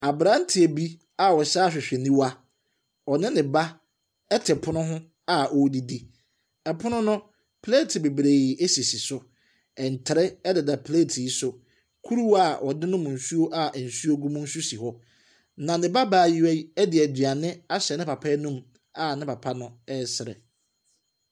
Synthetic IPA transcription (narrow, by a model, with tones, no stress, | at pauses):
a˨bɾã˨˦n̩˦tʰɪ˨e˨bi˦ | a˨wɔ˨saː˦ɕᶣɪ˨ɕᶣɛ˨nĩ˦wa˦ | ɔ˨nɪ̃˦nɪ̃˨ba˦ | ɛ˦tʰɪ˨pʰʊ˦nʊ̃˦ɦʊ̃˦ | a˨ʔɔ˨˦di˦di˦ | ɛ˨pʰʊ˦nʊ̃˦nʊ̃˦ | pʰle˦tʰi˨be˨bɾe˨ɪ˨ʔe˦si˨si˨sʊ˨ | ɛ˨n̩˨tʰɪ˨ɾɛ˦ɛ˦dɪ˨da˨pʰle˦˨tʰi˨ji˦sʊ˨ | kʰu˦ɾu˦a˨ʔɔ˨dɪ̃˦nʊ̃˦mʊ̃˨n̩˨su˦o˦ʔa˦˨n̩˨su˦o˦ɡũ˦mũ˦n̩˦su˦si˨ɦɔ˦ | nã˨nɪ̃˨ba˦baː˦˨ji˦æ˦i˦ɛ˦dɪ˨æ˨dɥa˨nɪ̃˦a˦ɕɛ˨nɪ̃˦pa˨pʰɛ˦nũ˦m | a˨nɪ̃˦pʰa˨pʰa˦nʊ̃˦ɛ˦˨sɪ˨ɾɛ̰˨